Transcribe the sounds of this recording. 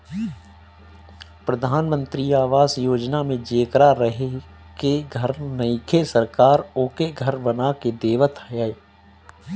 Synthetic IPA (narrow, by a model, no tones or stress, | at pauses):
pɾəd̪ʱaːnmə̃nt̪ɾiaːʋaːzjoːd͡ʒnamẽd͡ʒeːkɾaɾəɦe | keɡʱəɾnəikʰesəɾkaːɾoːkeɡʱəɾbənaked̪eːʋət̪jae